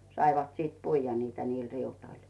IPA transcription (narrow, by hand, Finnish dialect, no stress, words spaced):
sɑiʋɑt siːt puijːɑ niːtæ niːl riutoil